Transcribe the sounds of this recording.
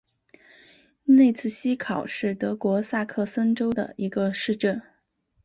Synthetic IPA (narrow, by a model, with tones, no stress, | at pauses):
ne˥˧ɪt͡sʰɹ̩˥˩ɕi˥kʰɑ˨˩ʊʂɻ̩˥˩t̪ɤ˧˥kwɔ˧˥sa˥˧kʰɤ˥˩sə˥nʈ͡ʂo˥ʊd̪ə̰˨˩i˧˥ɡə˧ʂɻ̩˥˧ʈ͡ʂə˥˩n